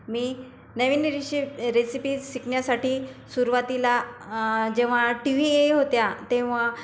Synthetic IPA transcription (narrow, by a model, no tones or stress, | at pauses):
miː | nəʋinɾiɕiɾesipiːsikɳjasaʈiːsuɾuʋat̪ila | d͡ʑeʋ̤aʈiʋieɦot̪jat̪ẽʋ̤a